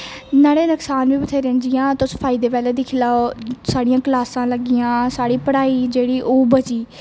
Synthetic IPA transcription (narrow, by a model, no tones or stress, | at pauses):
naːɽeːnəksaːnʋiːbət̪ʰeːɾẽːnd͡ʒɪjãːt̪ʊspʰaːɪid̪eːpɛːleːd̪ɪkʰːlaːosaːɽɪjãːklaːsãːləɡɪjãːsaːɽiːpəɽaːiːd͡ʒeːɽiːʔoːbəd͡ʒiː